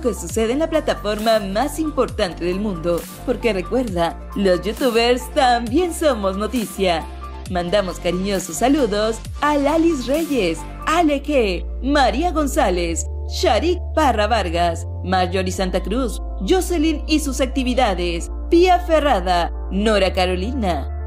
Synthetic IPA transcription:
ke̞suse̞ðenlaplat̪afo̞ɾmamasimpo̞ɾt̪ant̪e̞ðe̞lmũnd̪o̞ | po̞ɾke̞re̞kwe̞ɾða | lo̞zʝut̪uβeɾst̪ambje̞nso̞mo̞zno̞t̪isja | mãnd̪amo̞skaɾiɲo̞sosːaluðo̞s | alalis̬re̞ʝe̞s | alexe | maɾiaɣo̞nsale̞s | ʃaɾik̚paraβaɾɣas | maɾʝoɾisant̪akɾus | ʝoselinisusak̚t̪iβiðaðe̞s | piafe̞raða | noɾakaɾo̞lina

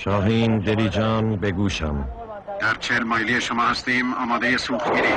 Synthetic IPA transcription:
ʃɒːɦiːnd̪eɾiːd͡ʒɒːnbeɡuːʃæ̰m | d̪̥æɾt͡ʃʰehelmɒːjlijeʃomɒːhæst̪iːmɒːmɒːd̪ejesuːxt̪miːɾiː

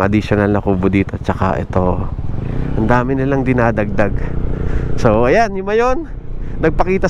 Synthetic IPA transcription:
ʔɐd̪iʃonɐlnɐkuːbʊd̪iːt̪oʔɐt̪̚t͡ʃɐka̰ʔɛ̰t̪o̞ | ʔɐnd̪aːmɪnɪlaŋd̪ɪnaːd̪ɐɡ̚d̪aɡ | so̞ʔɐjanjʊmɐjo̞nː | ɐɡ̚pɐkiːt̪ɐ

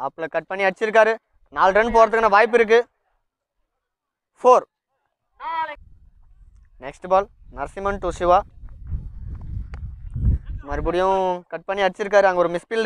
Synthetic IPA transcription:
ɐpːɯɭɐkɐʈ̚pɐɳːiɐɽt͡ʃːɪɾɯk̬ːaːɾɯ | naːlʈɐɳp̬oːɾɐt̪̬ɯkːɐnːaːʋaːjɪp̬ːɪɾɯk̬ːɯ | foːɾ | nɛksʈbaːl | nɐɾsɪmɐɳʈoːsɪʋaː | mɐːɾibʊɽɪjɐ̃kɐʈ̚pɐɳːiɐɽt͡ʃːɪɾɯkːaːɾɯɐŋɡɐɔɾɯmɪspɪl

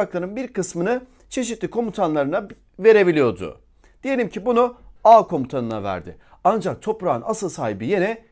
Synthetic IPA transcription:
aklˠaɾɯnbiɾkɯsmɯnɯ | t͡ʃʰe̞ʃ̬it̪lʲikʰo̞mut̪ʰanlˠaɾɯna | ve̞ɾe̞bilʲijo̞d̪ʊ̰ | d̪̥ije̞lʲimcʰibunuaːkʰo̞mut̪ʰanɯna̰væ̰ɾd̪ɪ̰ | and͡ʒak̚t̪ʰo̞pɾaːna̰sɯlˠsaːhibije̞nɛ

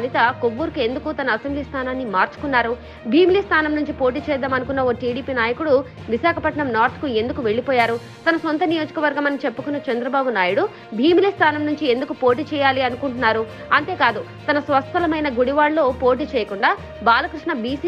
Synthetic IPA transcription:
nit̪ɐkobːuːɾkue̞nd̪ukut̪ɐnɐːsembliːst̪ʰaːnaːnːimaːɾt͡ʃu̥kunːaːɾu | bʱiːmiliːst̪ʰaːnɐmnuɲt͡ʃipo̞ːʈ̬iːt͡ʃɛːd̪aːmɐnukunːɐoːʈiːɽiːpiːnaːjɐkuɽu | ʋiʃaːkʰɐpɐʈɳɐmnaːɾt̪ʰkue̞nd̪ukuʋe̞ɭːipɔːjaːɾu | t̪ɐnɐso̞nt̪ɐnijo̞ːd͡ʒɐkɐʋɐɾɡɐmɐnːit͡ʃe̞pːukunːɐt͡ʃɐnd̪ɾɐbaːbunaːjuɽu | bʱiːmiliːst̪ʰaːnɐmnuɲt͡ʃie̞nd̪ukupo̞ːʈiːt͡ʃɛːjaːliɐnukuɳʈunːaːɾu | ɐnt̪e̞ːkaːd̪u | t̪ɐnɐsʋɐst̪ɐlɐmɐjnɐɡuɽiʋaːɭlo̞ːpo̞ːʈ̬iːt͡ʃɛːjɐkuɳɖaː | baːlɐkɾiʂɳɐbiːsi

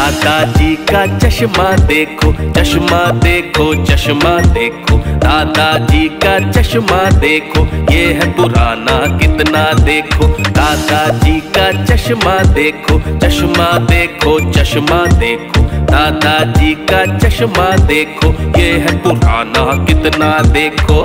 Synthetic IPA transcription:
aːd̪aːd͡ʒiːkat͡ʃɐʃmaːd̪eːkʰoːt͡ʃɐʃmaːd̪eːkʰoːt͡ʃɐʃmaːd̪eːkʰoːd̪aːd̪aːd͡ʒiːkat͡ʃɐʃmaːd̪eːkʰoːjeːɦɛpʊɾaːnaːkɪt̪naːd̪eːkʰoːd̪aːd̪aːd͡ʒiːkat͡ʃɐʃmaːd̪eːkʰoːt͡ʃɐʃmad̪eːkʰoːt͡ʃɐʃmaːd̪eːkʰoːd̪aːd̪aːd͡ʒiːkat͡ʃɐʃmaːd̪eːkʰoːjeːɦɛpʊɾaːnakɪt̪naːd̪eːkʰoː

